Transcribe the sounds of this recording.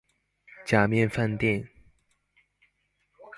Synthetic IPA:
t͡ɕja˨˩mjɛ˥˧˨nfa˥˧nt̪jɛ˥˨n

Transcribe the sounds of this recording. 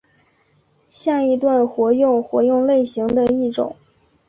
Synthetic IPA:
ɕja˥˩i˧˥t̪wa˥˩nxwɔ˧˥jʊ˥˩ŋxwɔ˧˥jʊ˥˧ŋle˥˩ɪɕi˧˥ŋd̪ə˧i˥˩ʈ͡ʂʊ̰˨˩˦ŋ

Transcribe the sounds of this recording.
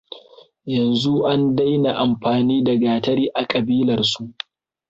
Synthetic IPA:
jɐ˨nzu˦ʔa˦nda˦jna˨ʔa˨mɸaː˨niː˦dɐ˨ɡaː˨tɐ˦ɽiː˦ʔa˨kʼɐ˨biː˦lɐ˨rsu˦ʔ

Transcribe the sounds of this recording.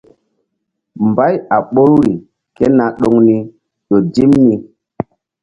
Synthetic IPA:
mba˦ja˨ɓo˦ɾɾi˨ | ke˦na˨ɗo˨ŋni˦ | ɗo˨d͡ʒi˦mni˦

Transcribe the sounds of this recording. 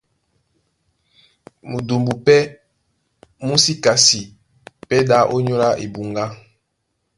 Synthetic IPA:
mu˨do˨mbu˨pɛ˦ | mu˦si˦ka˨si˨ | pɛ˦da˨˦ʔo˦ɲo˦la˦ʔḛ˨bu˨ŋɡa˦

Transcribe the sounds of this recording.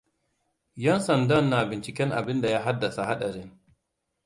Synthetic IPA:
jɛ˦nsɐ˨ndɐ˦˨nːa˨bɪ˨nt͡ʃɪ˨kʲɛ˦ŋʔa̰˨bɪ˦nda˨ja˦ɦa˦dːa˨sa˨ha˦ɗɐ˨ɾɪ˦ŋ

